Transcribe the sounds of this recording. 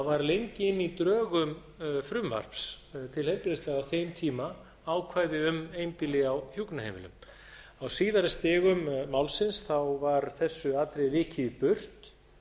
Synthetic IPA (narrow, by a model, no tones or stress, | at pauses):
vaɾlejɲcɪɪnːit̪ɾœːɣʏm | fɾʏmva̰r̥pst̪ʰɪlhejmpɪɾest̪lɛɣaθejmt̪ʰiːma | awkʰvaːjðɪʏmejmpɪlɪawçjuknahḛːjmɪ̰lʏ̰m | awsiːðaɾɪst̪ɪːɣʏmːawlsɪnsθawvaɾθɛsːʏat̪ɾejvɪːhcʰɪɪpʏr̥t̪